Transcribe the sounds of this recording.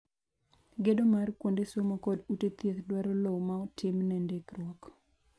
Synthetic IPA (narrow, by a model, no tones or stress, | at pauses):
ɡedomarkwondesomakɔdutet̪jet̪dwaɾɔlowmaɔtʰɪmnɛndekrwɔk